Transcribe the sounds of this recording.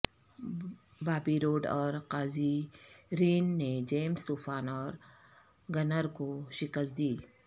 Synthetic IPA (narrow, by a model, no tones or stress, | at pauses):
baːbiɾoːɖɔːɾqaːziɾiːnːed͡ʒeːmst̪uːfʰaːnɔːɾ | ɡɐnəɾkoʃɪkəst̪̚d̪iː